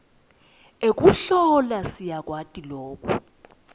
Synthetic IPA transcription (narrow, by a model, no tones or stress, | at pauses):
ek̬ʼuɬɔlasijak̬ʼwatʼiloːkʼṵ